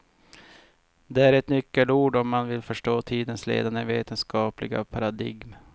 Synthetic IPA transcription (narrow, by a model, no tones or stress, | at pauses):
d̪ɛæɾɛt̪nʏkːəluːɖɔmːanvɪlfœʂʈoːt̪ʰiːd̪ənslḛːd̪anəveːt̪ʰənskɑːplɪɡa̰pʰaɾad̪ɪ̰ɡm